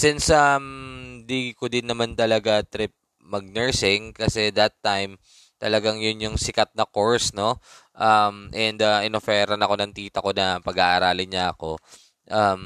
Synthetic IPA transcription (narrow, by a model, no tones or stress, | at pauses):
sɪnsʔɐmd̪iːɡɪkod̪ɪnːɐmant̪ɐlɐɡat̪ɾɪp̚ | mɐɡ̚nɛɹsɪŋkɐsɛd̪ɐt̪ːajm | t̪ɐlɐɡaŋjʊnjʊŋsɪkɐt̪̚nɐko̞ɹsno̞ʔɐmʔɛnd̪ɐʔɪnofɛːɾɐnɐko̞nɐŋt̪iːt̪ɐko̞nɐpɐɡaʔɐɾaːlɪɲaɐko̞ | ʔɐm